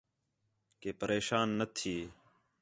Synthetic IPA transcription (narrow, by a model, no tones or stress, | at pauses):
keːpəɾeːʃaːnːət̪ʰiː